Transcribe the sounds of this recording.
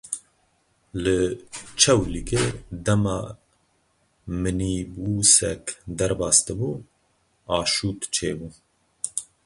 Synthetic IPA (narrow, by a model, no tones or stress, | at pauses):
lɨt͡ʃʰɛwliked̪ɛmɑː | mɨniːbuːsɛ̰kd̪ɛɾbɑːst̪ɨbuː | ɑːʃuːt̪t͡ʃʰeːbuː